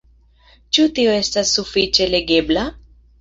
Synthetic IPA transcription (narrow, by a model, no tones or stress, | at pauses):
t͡ʃutio̞e̞stasːufit͡ʃe̞le̞ɡe̞bla